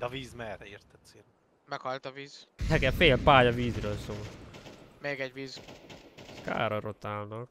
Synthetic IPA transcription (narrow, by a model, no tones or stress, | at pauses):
d̪ɛɒviːzmɛɾirt̪ɛt̪siː | mɛkhɒlt̪ɒviːzɛɡɛfeːlpaːjɒviːzrøːlsoːlmeːɡɛɟʋiːz | ska̰ːɾɒrot̪aːlnɒk